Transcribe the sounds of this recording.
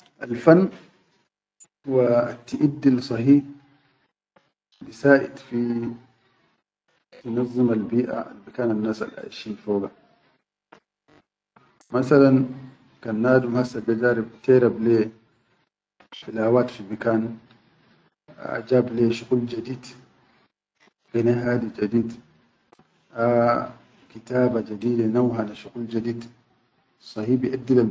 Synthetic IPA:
ʔalfanː | huwat̪ːiʔid̪ːilsˤɑhiː | bisaːʔḭd̪fi | tunɑzˤːɨmalbiːʔa̰ʔa̰lbikaːnanːaːsa̰lʔa̰ʔʃiːnfoːɡa | masalan | kanːaːdumhasaɡad͡ʒaːɾibt̪eɾable | ilaːwaːt̪fibikaːn | a̰d͡ʒaːbleʃuɣuld͡ʒad̪iːd̪ | ɡ̥ineɦaːdid͡ʒadiːd̪ | ʔa | kit̪aːbad͡ʒad̪iːdenawɦanaʃuɣuld͡ʒadiːd̪ | sˤɑhiːbiʔad̪ːila

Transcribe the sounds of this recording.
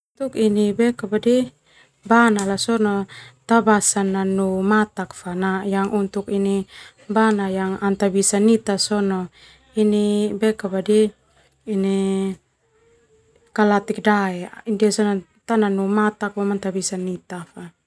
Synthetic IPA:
unt̪ukinibɛkabadi | banalasɔnɔt̪abasanːanumat̪akfanajaŋʔunt̪ukini | banajaŋant̪abisanit̪asɔnɔ | inibɛkabadiː | ni | kalat̪ik̚daɛindiasɔna | t̪ananumat̪ak̚bɔmant̪abisanit̪afa

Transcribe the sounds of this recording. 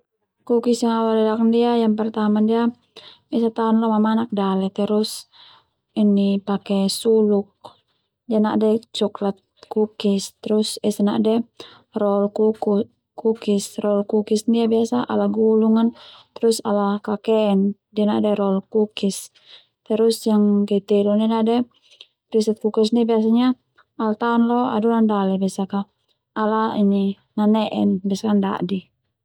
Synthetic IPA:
kukisjaŋawalɛdakandiajaŋp̬ɛrt̪amandia | biasat̪aɔnlɔmamanak̚dalɛt̪ɛɾʊs | inipakɛsuluk̚ | diana̰ʔdɛt͡ʃuklat̪̚kukist̪ɛɾusɛsana̰ʔdɛ | rɔlku | kukisrɔlkukisndiabiasaʔa̰lahɡuluŋant̪ɾusalakakɛːndianadɛɾɔlkukis | t̪ɛɾusjaŋkɛt̪ɛlɔninadɛ | pɾisat̪̚kukis̬nibias̬aɲa | alt̪aɔnlɔa̰dulandalɛbiasaka | alaini | nanɛʔɛ̰nbiasakanda̰ʔdi

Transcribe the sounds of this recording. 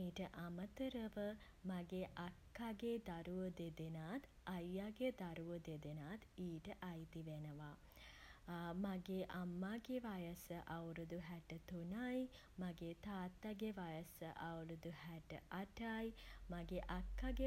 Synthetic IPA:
iːʈəʔamət̪əɾəʋə | maɡeʔakːaɡed̪aɾuʋəd̪ed̪enaːt̪ | ajːaɡed̪aɾuʋəd̪ed̪enaːt̪iːʈəʔajt̪iʋenəʋaː | maɡeʔamːaːɡeʋajəsəʔawɾud̪uɦæʈət̪unaj | maɡeːt̪aːt̪ːaɡeʋajəsəʔawɾud̪uhæʈə̰ʔaʈajmaɡeʔakːaɡe

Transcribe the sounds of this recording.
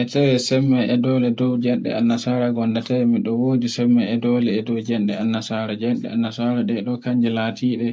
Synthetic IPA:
ʔɛtawɛsɛmːɛɛdɔlɛdɔwd͡ʒɛnɗɛ̰anːasaːɾaɡɔndatawɛmiɗɔwoːdisɛmːaɛdɔlɛːdɔwd͡ʒɛnɗɛanːasaɾad͡ʒɛnɗɛ̰anːasaːɾaɗɛɗɔkaɲd͡ʒɛlatʰiːɗɛ

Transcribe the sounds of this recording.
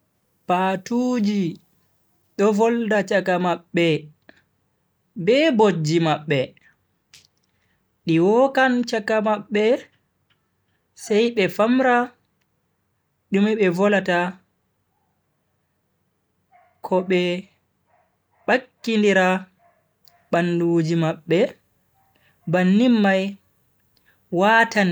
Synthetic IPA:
patuːd͡ʒi | ɗɔvɔldat͡ʃakamaɓːɛ | bɛbod͡ʒːimaɓːɛ | ɗiwɔkant͡ʃakamaɓːɛ | sɛjɓɛfamɾa | ɗumɛɓɛvɔlata | kʰɔɓɛ | ɓakːindiɾa | ɓandud͡ʒimaɓːɛ | banːimːaj | waːtan

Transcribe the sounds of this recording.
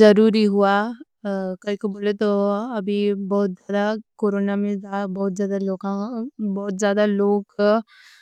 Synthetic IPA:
ɐɾuːɾiɦʊa | kɐɦikoboːlet̪oɐbʱibɔːt̪̚zjaːd̪akoːɾoːnamẽzabɔːt̪̚zjaːd̪aloːkãbɔːt̪zjaːd̪aloːk

